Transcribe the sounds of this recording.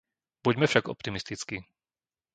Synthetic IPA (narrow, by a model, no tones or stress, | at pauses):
b̥uɟmɛfʃaɡɔ̰p̚t̪imist̪it͡ski